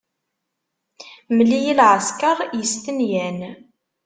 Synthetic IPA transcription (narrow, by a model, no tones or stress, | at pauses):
məlːijilʕəskəɾˤjəst̪ənjæn